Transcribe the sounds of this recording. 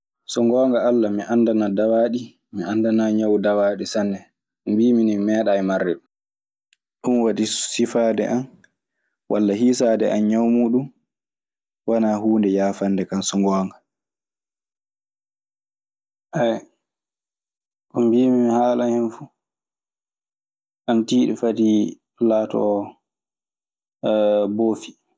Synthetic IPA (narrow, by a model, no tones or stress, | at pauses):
sɔŋɡɔːŋɡaalːamiʔandanadawaɗi | miandanaɲawdawaːɗisanːɛ | ʔumbiːminimɛːɗajmarːɛɗu | ɗunwaɗisifaːdɛ̰ʔan | wʔalːahiːs̬aːdɛ̰ʔanɲawmuːɗum | wanaːhuːndɛjaːfandɛkansuŋɡɔːŋɡa | ʔaj | kɔmbiːmihaːlahɛnfu | ʔantiːɗɛfadi | laːtɔ̰ | boːfi̥